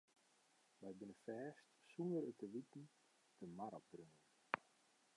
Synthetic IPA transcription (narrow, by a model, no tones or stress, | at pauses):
ʋɛjbɪnəfɛːstsunəɾətəʋitn̩ | dəmaɾabrøŋən